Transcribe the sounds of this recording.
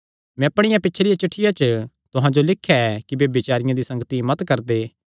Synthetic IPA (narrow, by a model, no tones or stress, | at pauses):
mɛ̃ɐpɽ̃ɪjãpɪtːt͡ʃʰɾɪjat͡ʃʊʈʰːɪjat͡ʃə | t̪ʊɦãd͡ʒolɪkʰːjaɛkibeːbɪt͡ʃaːɾɪjãd̪isɐ̃ŋɡət̪imɐt̪kɐɾd̪eː